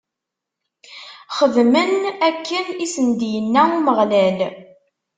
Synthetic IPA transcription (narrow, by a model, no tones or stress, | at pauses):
χəðmənækːənisənd̪jənːæuməʁlæl